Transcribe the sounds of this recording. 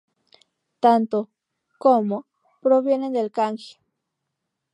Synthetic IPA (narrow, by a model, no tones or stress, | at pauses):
t̪ant̪o | komo | pɾoβjenend̪elkaŋki̥